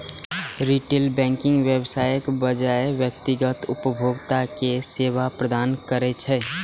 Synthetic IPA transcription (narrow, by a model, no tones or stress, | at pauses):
ɾiʈelbɛ̃ŋkɪŋɡʋjebsajəkbəd͡ʒaeʋjək̚t̪iɡət̪ʊpəbʱoɡt̪akeseβapɾəd̪ankəɾɛt͡ʃʰɛ